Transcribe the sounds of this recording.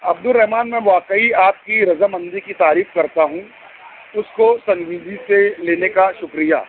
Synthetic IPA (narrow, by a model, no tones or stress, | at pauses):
ɐb̚d̪ʊlɾːɛɦmaːnmɛ̃ʋaːkəiaːp̪̚kiɾɐzamɐ̃nd̪ikit̪aːɾiːfkɐɾt̪aɦũː | ʊskosɐ̃ŋɡiːd̪iseleːnekaʃʊkɾija̰ː